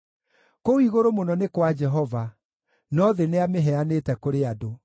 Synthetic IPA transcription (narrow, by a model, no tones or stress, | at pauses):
koiɣoɾomonɔnekwad͡ʒɛɦɔva | nɔðeneameɦɛanetɛkoɾeado